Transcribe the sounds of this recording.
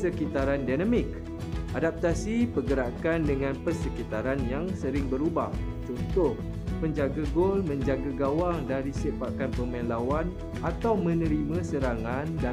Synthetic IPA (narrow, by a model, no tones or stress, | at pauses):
səkit̪aɾandanãmɪk | ʔadap̚t̪asipəɡəɾakandəŋãnpəsəkit̪aɾanjaŋsəɾɪŋbəɾubah | t͡ʃɔnt̪ʊh | məɲd͡ʒaɡaɡolmə̃ɲd͡ʒaɡaɡawaŋdaɾisepakanpəmãnlawan | at̪awmə̃nə̃ɾimãsəɾaŋãnda